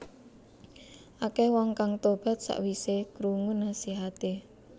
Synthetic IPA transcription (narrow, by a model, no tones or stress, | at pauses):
ʔakɛhwɔŋkaŋt̪ob̥ä̤t̪̚sa̰ʔwisekɾuŋʊnasiɦat̪e